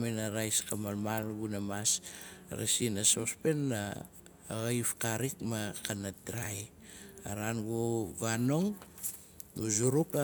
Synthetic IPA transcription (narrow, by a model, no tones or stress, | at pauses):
minaɾajskamalmalɡunamasɾa̰sinasospe̞nːa | ɣajfkaɾikmakanatɾaj | aɾanɡuvano̞ŋ | ɡuzuɾuka